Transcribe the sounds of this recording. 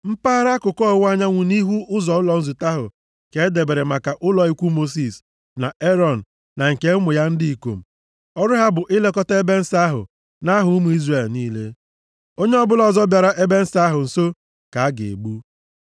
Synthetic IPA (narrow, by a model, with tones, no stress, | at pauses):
m̩˦pa˦ɾa˦kʊ˨kɔ˦wʷa˦ɲa˦ŋʷu˨ni˦ɦu˦ʔʊ˦zɔ˨ʊ˦lɔ˨n̩˦zu˨ta˦ɦʊ̰˨ | ke˨˦de˨be˨ɾe˨ma˨ka˨ʔʊ˦lɔ˨i˦kʷu˦mo˦s̬i˨s | na˨ʔe˦ɾɔ˦˨n̩˨ | na˨ŋ̩˨ke˦mʊ˨ja˦n̩˦di˦i˨ko̰˨m̩˨ | ɔ˦ɾʊ˦ɦa˦bʊ˨ʔɪ˦le˦kɔ˦ta˦e˦be˦n̩˦sa˦ɦʊ̰˨ | na˦ɦʊ˦mu˨i˦zre˨lniː˦le˦ | o˦ɲe˦ɔ˦bʊ˦lɔ˦˨zɔ˦bja˨ɾa˦ʔe˦be˦n̩˦sa˦ɦʊ˨n̩˨so˦ | ka˨a˦ɡḛ˨ḛ˨ɡ͡bu˦